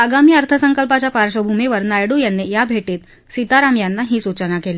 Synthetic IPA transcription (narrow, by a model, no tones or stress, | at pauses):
əɡamiːəɾt̪ʰəsəŋkəlpat͡ɕjapaɾɕəbʱumeʋəɾnajɽuːjanːejabʱeʈiːt̪ | sit̪aɾamjanːaɦiːsut͡ɕənakele